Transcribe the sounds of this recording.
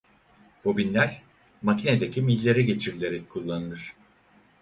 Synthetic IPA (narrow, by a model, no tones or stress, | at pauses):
b̥obinlʲæɾ | macʰined̪e̞cʰimilʲːe̞ɾɛɟe̞t͡ʃʰiɾlʲe̞ɾɛc̚kʰulˠːanɯlˠɯɾ̥